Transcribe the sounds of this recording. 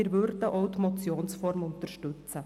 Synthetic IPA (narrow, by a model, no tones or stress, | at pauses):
ɾʋʉɾd̪əʔaʉt̪ʊmɔt̪sjoːnsfɔɾmʊnt̪əɾʃt̪ʉt̪sə